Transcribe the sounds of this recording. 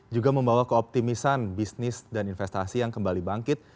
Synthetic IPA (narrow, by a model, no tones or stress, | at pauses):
d͡ʒuɡaməmbawakəɔp̚t̪imisanbisnɪsdaninfɛst̪asijaŋkəmbalibaŋkɪt̪̚